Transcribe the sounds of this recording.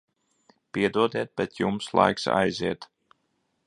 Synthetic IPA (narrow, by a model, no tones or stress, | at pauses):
piɛd̪uɔd̪ɛt̪̚bɛt̪jumslˠa̰jksa̰jziɛt̪